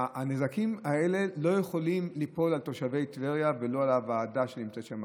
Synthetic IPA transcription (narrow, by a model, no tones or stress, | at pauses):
anezakimae̞le̞lo̞jeχo̞limlipo̞lalt̪o̞ʃave̞jt̪veʁjavelo̞alavaaːdaʃenimt͡set̪ʃama